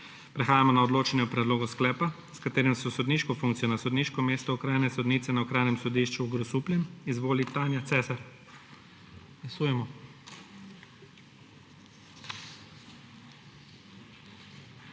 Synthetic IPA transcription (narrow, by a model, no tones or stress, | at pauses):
pɾɛxaːjamɔnaɔd̪loːt͡ʃɛnjɔpɾɛd̪loːɡɔsklɛːpa | skat̪eːɾɛmsɔsɔd̪niːʃkɔfuŋkt̪sijɔnasɔd̪niːʃkɔmeːst̪ɔɔkɾaːjnɛsɔd̪niːt̪sɛnaɔkɾaːjnɛmsɔd̪iʃt͡ʃuːɡɾɔsuplʲɛmizʋoːlit̪anjat̪sɛːsaɾ | ɡlasuːjɛmɔ